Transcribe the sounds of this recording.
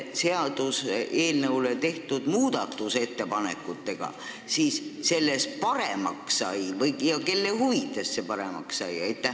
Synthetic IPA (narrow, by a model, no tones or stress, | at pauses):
se̞ɑd̪̥usʔe̞ːlnəwlet̪e̞ht̪ud̪̥muːd̪̥ɑt̪ːˑuse̞t̪ːe̞pɑne̞̰kːˑut̪ːe̞ɡ̥ɑ̰ | siːsse̞lːe̞spɑɾe̞mɑ̰kssɑjvɤjjɑke̞lːe̞huvit̪ːˑe̞sːe̞pɑɾe̞mɑ̰kssɑjɑjt̪ːˑæ